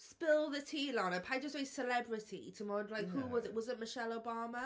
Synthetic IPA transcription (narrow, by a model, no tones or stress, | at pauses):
spɪlˠðətʰiːlə̃nə̃pʰaɪd͡ʒʌstweɪ̥səlɛbɹɪtʰḭtʰəmɔɹə̃nlaɪkhuːwɒzɪʔwɒzɪ̃nmɪʃɛloʊbɑːmə